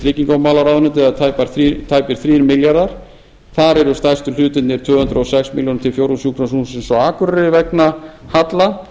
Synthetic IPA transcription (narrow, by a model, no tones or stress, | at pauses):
ɾɪːciŋkawmaːlaɾawðnʏnt̪̬ɪaðt̪ʰaːjpaɾ̥θit̪ʰaːjpɪɾ̥θɾiːɾmɪljaɾðaɾ̥ | θaɾɛɾʏst̪ajst̪ʏlʏːt̪ɪnnɪɾ̥t̪ʰvœːhʏnt̪ɾɔsɛksmiljownt̪ʰɪlfjowɾusjuːkʰnasunsɛnsɔaːkʏɾaɾɪvɛknahat̪la